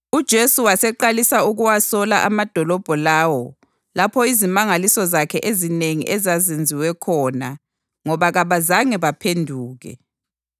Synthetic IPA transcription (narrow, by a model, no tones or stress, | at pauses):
ud̥ʒ̥ʱesuwasɛǃalisauɣuwasɔlaʔamad̥ʱɔlɔb̥ʱɔlaːwɔ | lapʰɔizimaŋalisɔzakʰɛʔezineŋḭʔɛzazend͡zʱiwɛkʰɔna | ŋɔβaɣaβazaŋɛβapʰendʱuːɣɛ̰